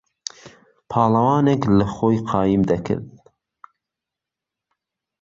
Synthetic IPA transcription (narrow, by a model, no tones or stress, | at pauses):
pʰɑːlɐwɑːneklɨxoːjqʰɑːjimd̪ɐkʰɨ̰ɾd̪